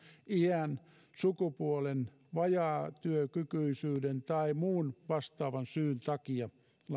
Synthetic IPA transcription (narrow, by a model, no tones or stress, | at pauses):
iæn | sukupuolen | ʋɑjɑːt̪yøkykyisyːdent̪ɑimuːnʋɑst̪ɑːʋɑnsyːnt̪ɑkiɑ | l